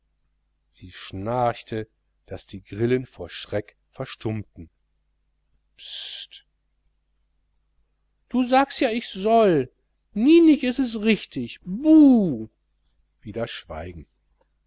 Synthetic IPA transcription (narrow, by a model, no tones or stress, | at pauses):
z̥iːʃnaɐtʰə | d̥asd̥iːɡʁɪlənfoːɐʃʁ̥ɛk | fɛɐʃtʰʊmtn̩ | pst | d̥uːzaːkstjaːɪçz̥ɔl | niːnɪçɪstɛsʁɪçtʰɪçbuː | v̥iːdɐʃv̥a̰ɪɡŋ̩